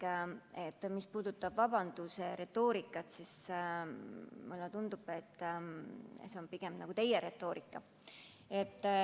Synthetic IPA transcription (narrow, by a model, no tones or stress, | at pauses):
et̪ːˑmispuːd̪̥ut̪ːˑɑb̥vɑbɑnd̪̥useɾe̞t̪ːˑo̞ːɾikːˑɑt̪sis | mulːɛt̪und̪̥ub̥et̪ˑː | seonpiɡ̥e̞mnɑɡ̥ut̪e̞jeɾe̞t̪ːˑo̞ːɾʔikːˑɑ | e̞t̪ːˑ